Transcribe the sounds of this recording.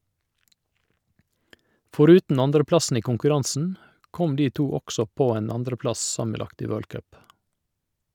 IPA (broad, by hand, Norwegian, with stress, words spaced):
fɔˈɾʉːtn̩ ˈɑndɾəˌplɑsn̩ ˈiː kʊŋkʉˈɾɑnsn̩ ˈkɔm ˈdiː ˈtuː ˈɔksɔ ˈpoː ˈeːn ˈɑndɾəˌplɑs ˈsɑməˌlɑkt ˈiː ˈʋøːɭ ˈkœp